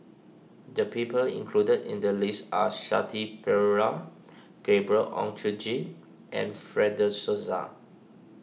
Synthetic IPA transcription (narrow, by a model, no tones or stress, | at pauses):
dəpipəlḭ̃ŋkʰludədḭ̃ndəlisaʃa̰tʰipʰɛɹa | ɡ̥ebɹəʔɔ̰̃ŋtʰud͡ʒĩ | ʔɛ̰̃nfɹɛdəsoza̰